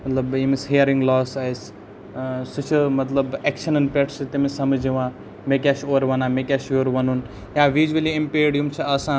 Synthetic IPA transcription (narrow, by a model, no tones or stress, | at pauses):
mɐt̪lɐbjimisɦijɐɾiŋɡlɔːsɐjs | sɨt͡ʃʰimɐt̪lɐbekʃɐnɐnpʲeʈʰsit̪imisɐmɨd͡ʒiʋãː | mek̬ʲaʃoːɾʋɐnãːmekʲaːʃoːɾʋɐnun | jaʋid͡ʒuɐliimpeːɽjumt͡ʃʰiɐsãːn